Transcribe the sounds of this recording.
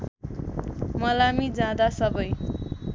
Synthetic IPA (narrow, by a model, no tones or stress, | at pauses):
mʌlamid͡zãd̪asʌbʌj